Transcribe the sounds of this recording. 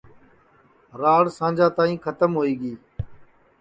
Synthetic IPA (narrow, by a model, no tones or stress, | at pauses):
ɾaːɽsãːnd͡ʒaːt̪aːĩːkʰət̪əmɦoːiːɠiː